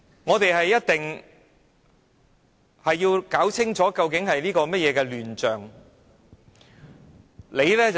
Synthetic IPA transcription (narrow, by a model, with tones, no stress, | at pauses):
ŋɔː˨˧t̪e˨jɦɐ˨jːɐ˥t̚t̪ɪ˨ŋ | hɐ˨jːiː˧wkaː˨˥wt͡sʰɪ˥ŋt͡sɔː˨˥kɐ˧wkɪ˨˥ŋhɐ˨jnliː˥kɔː˧mɐ˥t̚jɛː˨˧kɛː˧lyː˨nt͡ʃœː˨˩ŋ | le˨˧jlɛː˥t͡s